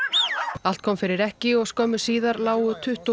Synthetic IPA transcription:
al̥t̪̚kʰɔːmfɪɾɪɾɛhcɪɔɣskœːmʏ̥siːðaɾlaːwʏt̪ʰʏht̪u

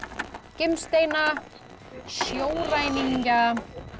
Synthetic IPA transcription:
cɪmst̪eːjna | sjoːwrajniŋka

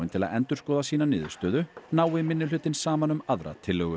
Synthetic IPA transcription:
ɪnt̪ʰɪla̰ðɛnt̪ʏɾ̥skɔːðasiːnanɪːðʏ̥st̪œːðʏnaːwɪmɪnːʏlʏːt̪ɪnsaːmanʏmaðɾa̰t̪ʰɪlːœɣʏ

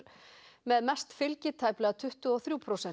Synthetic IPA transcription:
ɾmɛðmɛst̪fɪlcɪt̪ʰaːjplɛɣat̪ʰʏht̪ʏɔθɾjuːpʰɾosɛ

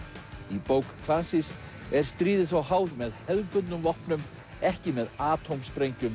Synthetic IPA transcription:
ipowkkʰlasɪs | ɛɾ̥st̪ɾiːðɪθawhaːwðmɛðhɛðpʏt̪nʏmvɔhpnʏm | ɛhcɪmɛðaːt̪ʰowmspɾejɲcʏm

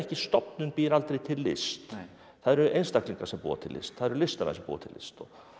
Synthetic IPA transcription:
ɛhcɪst̪ɔpnʏnpiːɾalt̪ɾejt̪ʰɪlːɪ̰st̪ | θaðɛɾʏʔejnst̪akliŋkasɛmpṵːa̰t̪ʰɪlːʔɪ̰st̪θaðɾʏlɪst̪ana̰sɛmpṵːa̰t̪ʰɪlʔɪ̰st̪ɔɣ

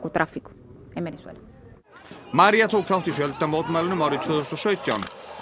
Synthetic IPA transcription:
kut̪ɾafikʊ̥ | ɛmɛnɛswɛ̰la | maɾjat̪ʰowkθawht̪ifjœlt̪amowt̪maːlɪnʏmawɾɪðt̪ʰvœːðɔst̪ɔsœːɥt̪ja̰wn

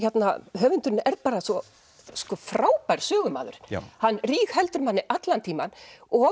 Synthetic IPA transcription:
çɛt̪naɦœːvʏnt̪ʏɾnɛɾðpaːɾasvɔ | skɔfɾaːwpajɾ̥sœːɣʏma̰ːðʏ̰ɾ̥̰hanːriːxhɛlt̪ʏɾmanːɪʔat̪lant̪ʰiːmanɔ

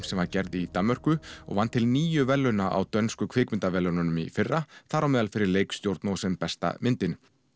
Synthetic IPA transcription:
sɛmvaɾcɛɾðɪit̪amːœr̥kʏɔ̰ɣvanːt̪ʰɪlniːjʏvɛlːʏnaʔa̰wt̪œnskʏkʰvɪːkmɪnt̪avɛlːœnanʏmḭfɪrːaθaɾawmɛːðalfɪɾɪɾleːjkst̪jowɾt̪nawsɛmpɛst̪a̰mɪnt̪ɪn

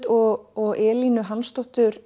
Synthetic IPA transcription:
t̪ɔɔɣʔɛːlinʏɦanst̪ɔht̪ʏɾ

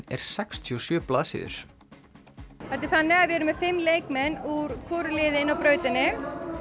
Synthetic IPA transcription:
ɛ̰ɾ̥sɛkst̪ʰiɔsjœːplaːðsɪ̰ːðʏ̰ɾ̥ | ɛt̪ːɪθanːɪaðvɪɛɾʏmɛðfɪmːlejkmɛnːuɾ̥kʰɔːɾʏlɪːðɪnawpɾœːɥt̪ɪnːɪ

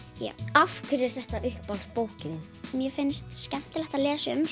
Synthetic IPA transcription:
ja̰ːwafkʰvʏɾɪɾ̥θɛht̪aʔʏhpːawlspoːwhcɪðɪn | mjɛfɪnst̪scɛm̥t̪ɪlɛht̪aðlɛːsʏms

